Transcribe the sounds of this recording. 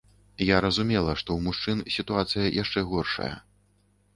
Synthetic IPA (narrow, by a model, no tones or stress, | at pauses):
jaɾɐzumʲɛlˠɐʂt̪ɔwmuʂt͡ʂɨnsʲit̪uat̪sɨjɐjʔaʂt͡ʂɛɣɔrʂɐ̰jɐ̰